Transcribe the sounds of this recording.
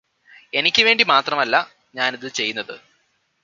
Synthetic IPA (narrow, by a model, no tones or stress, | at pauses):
e̞nikʲːɨʋeːɳɖimaːt̪rɐmɐlːɐ | ɲaːniðɨt͡ɕe̞jːunːɐðɨ